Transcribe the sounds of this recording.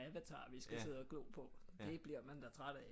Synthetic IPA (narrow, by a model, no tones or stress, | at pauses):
æʋæt͡sʰɑ̰̈ːʋisɡ̥æse̝ð̞̰ˠɒɡ̥lo̰ːpʰɒ̽d̥e̝b̥liɐ̰mænd̥æt͡sʰʁaɾ̥æ